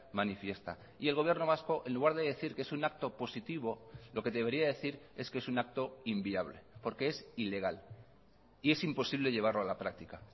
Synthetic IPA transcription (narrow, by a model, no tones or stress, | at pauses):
manifje̞st̪a̰ | ie̞lɣo̞β̞je̞ɾno̞β̞asko̞ʔenluɣaɾðe̞ðeθiɾkee̞sunak̚t̪o̞po̞sit̪iβ̞o̞lo̞ke̞ðe̞β̞e̞ɾiaðe̞θiɾe̞skeesunak̚t̪o̞imbiaβ̞le̞̰po̞ɾkeesile̞ɣ̞al | ie̞simpo̞siβ̞le̞ʝe̞β̞aɾlo̞alapɾak̚t̪ika